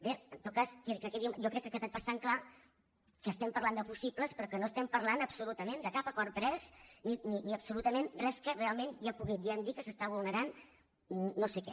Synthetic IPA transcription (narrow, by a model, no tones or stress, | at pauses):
beənt̪ot̪̚kaskkːəkɛðimjɔkɾɛkːəkɛt̪ɛt̪bast̪aŋkla | kəːst̪ɛmpəɾland̪əpusipləspɾɔkənoəst̪ɛmpəɾlanəpsulut̪əmẽnd̪əkapəkɔrpɾɛsnininiəpsulut̪əmenrɛskərealˠmenʒapuɣid̪iənd̪ikəsəst̪aβulˠnəɾanː | osekɛ̰